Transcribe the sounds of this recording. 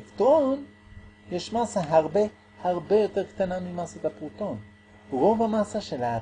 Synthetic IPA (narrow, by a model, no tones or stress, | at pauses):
kt̪ʁon | jeʃmasaɦaʁbe̞ | haʁbe̞jo̞t̪eʁkt̪anamimasat̪apʁut̪o̞n | ʁo̞vamasaʃela